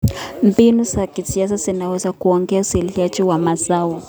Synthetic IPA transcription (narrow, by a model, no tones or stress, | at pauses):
m̩binuzakisias̬azinawɛzakuɔŋɡɛausiliat͡ʃiwamazawɔ